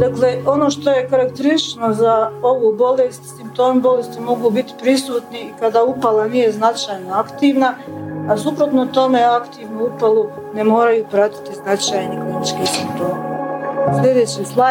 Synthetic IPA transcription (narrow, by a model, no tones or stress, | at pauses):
d̪̥akleo̞no̞ːʃt̪oje̞kaɾakt̪eɾiʃnozao̞ʋuːbo̞lest̪simp̚t̪o̞ːmbo̞lest̪imo̞ɡubit̪i̥pɾisuːt̪niːkad̪aːupalanije̞znat͡ʃajnoakt̪iːʋnaasupɾot̪nout̪o̞meakt̪iːʋnuupalˠu | nemo̞ːɾajuːpɾat̪i̥t̪iznat͡ʃajniklinit͡ʃkesimt̪o̞ːneslʲe̞d̪eːt͡ɕisla